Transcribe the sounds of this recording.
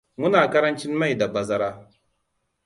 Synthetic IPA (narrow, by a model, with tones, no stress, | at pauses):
mu˦naː˨kɐ˦ɾɐ˦nt͡ʃi˦nma˦˨jda˨ba˨za˦ɾa˦